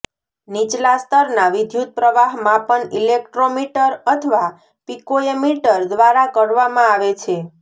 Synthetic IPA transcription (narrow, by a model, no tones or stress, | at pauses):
nit͡ʃlast̪əɾnaʋid̪ʱjut̪̚pɾəʋaɦmãpəɳilek̚ʈɾomiʈəɾət̪ʰəʋa | pikojemiʈəɾd̪ʋaɾakəɽʋamãaʋet͡ʃʰe